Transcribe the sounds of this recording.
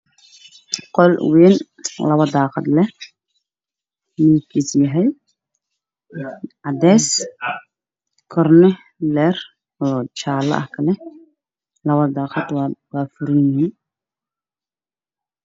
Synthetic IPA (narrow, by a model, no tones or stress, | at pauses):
qɔlwiːn | lɐβɐd̪ɑːqɑd̪lɛh | miːkʰisjɐɦɛj | ʔɑd̪ɛːs | kʰɔrnɪ | lɛːr | ɔːt͡ʃaːlɐ̰ʔɐhkʰɐlɛ | lɐβɐd̪ɑːqɑd̪wwaːfʊɾɪnɪhiːn